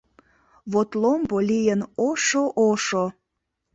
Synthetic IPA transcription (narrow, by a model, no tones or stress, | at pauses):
βot̪lombolʲijənoʃoʔoʃo